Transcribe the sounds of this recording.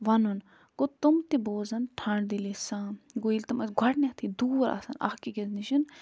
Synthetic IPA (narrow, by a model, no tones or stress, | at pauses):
ʋɐnun | ɡot̪umt̪iboːzɐnʈʰãːɖd̪ilesãːɡoilt̪ɐmɐsɡʱɐʈnʲet̪ʰid̪uːɾa̰sɐ̰nɐ̰hkikʲɐzniʃin